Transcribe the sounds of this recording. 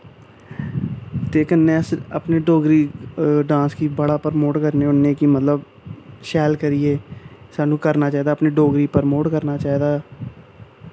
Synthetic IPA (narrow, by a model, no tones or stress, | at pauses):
t̪eːkənːẽːəsə̰pneːɖoːɡɾiːɖãːskiːbəɽaːpəɾmoːʈkəɾnẽːʊnːẽːkimət̪ləb | ʃɛːlkəɾiːeːsaːnũːkəɾnaːt͡ʃaːiːd̪aːpneːɖoːɡɾiːpəɾmoːʈkəɾnaːt͡ʃaːiːd̪aː